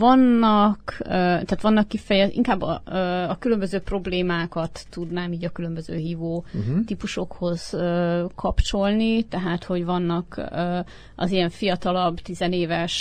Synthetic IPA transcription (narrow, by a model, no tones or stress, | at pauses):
vɒnːɒkøt̪aːt̪ʋɒnːɒkːifɛjɛḭŋkaːbːɒ̰øɒkylø̞mbøzøːpro̞bleːmaːkɒt̪ːud̪naːmiːɟɒkylø̞mbøzø̰ːɦiːvoːt̪ipuʃo̞kho̞z̥økʰɒpt͡ʃo̞lnit̪ɛɦaːt̪ho̞ɟvɒnːɒkː | ʔɒ̰zijɛɱfijɒt̪ɒlɒbt̪izɛneːvɛʃ